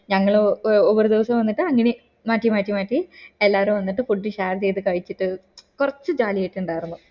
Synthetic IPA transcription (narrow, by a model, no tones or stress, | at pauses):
ɲɐŋːɐɭoʋɐɾud̪iʋɐsɐmʋɐnːiʈːɨɐŋːɐne | maːtːimaːʈːimaːʈːielːaːɐɾumʋɐnːiʈːɨfuɖːiɕaːrd͡ʑejðɨkɐɻit͡ɕːiʈːɨkurɐt͡ɕːɨd͡ʑaːlijɐjiʈːuɳɖaːjiɾunːu